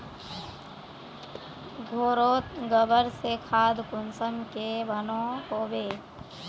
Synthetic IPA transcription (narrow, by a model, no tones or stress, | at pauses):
ɡʱoːɾoːt̪̚ɡəbəɾsekʰaːd̪kʊnsəmkeʋənõɦoːbeː